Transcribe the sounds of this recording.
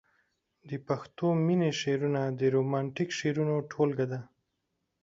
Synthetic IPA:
d̪əpaxt̪omineʃeɾunad̪əɾomɑɳʈikʃeɾunoʈʰolɡad̪a

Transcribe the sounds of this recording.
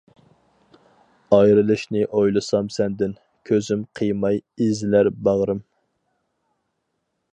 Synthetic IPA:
ɑjɾɨlˠɨʃnɨʔojlˠɨsɑmsɛnd̪ɪn | kʲʰøzymqʰəjmɑjezɪlæɾbɑʁɾɨm

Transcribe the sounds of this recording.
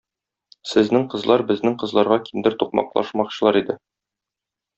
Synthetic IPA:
sɘ̆znɘŋqɤ̆zlˠɑɾbɘ̆znɘŋqɤ̆zlˠɑɾʁɑkind̪ɘɾt̪uq̚mɑ̰qlˠɑ̰ʃmɑqɕɤ̆lˠɑɾid̪ɘ

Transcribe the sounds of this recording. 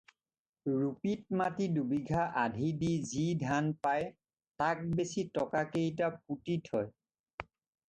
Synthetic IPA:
ɹupit̚matidubiɡʱaʔadʱidizidʱanpaj | tak̚besitɔkakejt̬ap̚utithɔj

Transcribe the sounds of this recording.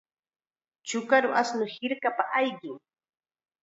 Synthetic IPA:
t͡ʃʊkaɾʊʔasnʊhɪɾkapaʔajɢɪŋ

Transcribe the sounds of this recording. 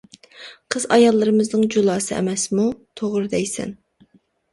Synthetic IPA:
qʰəzɑjɑlˠːɨɾɨmɨznɨŋd͡ʒolˠɑːsɨɛ̰mɛsmut̪ʰoʁɾɨd̪ɛjsɛ̰n

